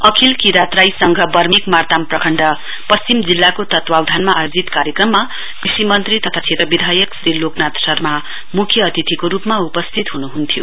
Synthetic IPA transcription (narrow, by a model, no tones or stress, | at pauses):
ʌkʰilkiɾat̪rajsʌŋɡʱʌbʌrmikmart̪amprʌkʰʌɳɖʌ | pʌst͡simd͡zilːakot̪ʌt̪wawd̪ʱanmaʔajod͡zit̪kaɾjekrʌmːa | krisimʌnt̪rit̪ʌt̪ʰat͡sʰet̪ʌbid̪ʱajʌksɾiloknat̪sʌrma | mukʰjʌːt̪it̪ʰikoɾupmaupʌst̪ʰit̪ɦunuɦunt̪ʰjo